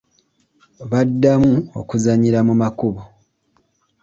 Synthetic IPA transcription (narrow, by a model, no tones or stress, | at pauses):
βadːamuo̞̰kuzaɲiɾamumakuβo